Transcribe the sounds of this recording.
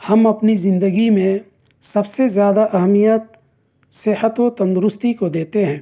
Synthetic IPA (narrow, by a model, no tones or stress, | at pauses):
hɐmɐpnizɪ̃nd̪əɡimẽ | sɐbsezjaːd̪aʔɐɦmijət̪̚ | sɪhət̪ot̪ɐ̃nd̪ʊɾʊst̪ikod̪eːt̪eɦɛ̃ː